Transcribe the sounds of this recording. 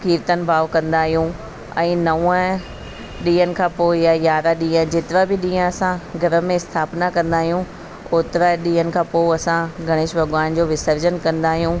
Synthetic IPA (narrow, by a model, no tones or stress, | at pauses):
kiːɾt̪ənɪ̆bʱaːʋkɐ̃nd̪aːɦijũ | ɛ̃ːnɐʋũə | ɗĩːənɪ̆kʰãːpoːɪjajaːɾaɗĩːə̃d͡ʑɪt̪ɪɾabɪɗĩːə̃ɐsãɡʱɐɾə̆mẽɪst̪ʰaːpnakɐ̃nd̪aːɦijũ | oːt̪ɾaɗĩːɦənɪ̆kʰãːpoːɪɐsãɡʱɐɽ̃ɪːʃbɐɡʋaːnd͡ʑoːʋɪsəɾd͡ʑənkɐ̃nd̪aːɦijũ